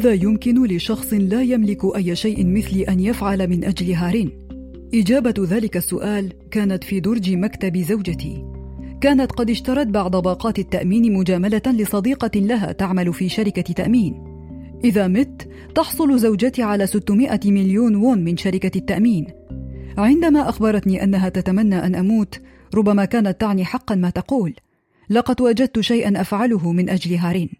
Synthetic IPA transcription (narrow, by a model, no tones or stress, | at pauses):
haðaːjʊmkɪnʊlɪʃɑxsˤɨnlaːjamlɪkʊʔajːaʃajʔɪnmɪθlɪʔanjafʕalamɪnʔad͡ʒlɪɦaːɾɪn | ʔɪd͡ʒaːbaðaːlɪkasːʊʔaːl | kaːnat̪fiːd̪ʊɾˤd͡ʒɪmakt̪abɪzawd͡ʒat̪ḭːkaːnat̪qɑd̪ɪʃt̪ɑɾˤɑt̪̚baʕd̪ˤɑbɑːqɑːt̪at̪ːaʔmiːnmʊd͡ʒaːmalalɪsˤɑd̪iːqɑlaɦa̰ːt̪aʕmalfiːʃaɾɪkat̪ːaʔmiːn | ʔɪðaːmɪt̪ː | ɑħsˤʊlzawd͡ʒat̪iːʕalaːsɪt̪ːʊmɪʔamɪljuːnwʊnmɪnʃaɾɪkat̪ːaʔmiːn | ʕɪnd̪amaːʔaxbɑɾˤɑt̪niːʔa̰nːaɦaːt̪at̪amanːaːʔanʔamuːt̪ | ɾˤʊbːamaːkaːnat̪ːaʕniːħɑqːɑnmaːt̪ɑquːlː | ɑqɑd̪waːd͡ʒad̪̚t̪ʊʃajʔanʔafʕalʊɦʊmɪnʔad͡ʒlɪɦaːɾiːn